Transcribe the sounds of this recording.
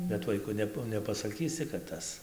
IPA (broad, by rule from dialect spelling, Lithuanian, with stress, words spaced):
bʲɛt ˈʋɐɪkʊ ˈnʲɛp nʲɛpɐsɐˈkʲiːsʲɪ kɐt ˈtɐs